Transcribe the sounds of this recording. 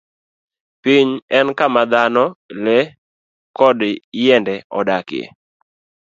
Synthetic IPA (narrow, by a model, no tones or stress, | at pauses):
piɲɛnkamad̪anɔlɛ | kɔdjɛndɛɔdakɪjɛ̰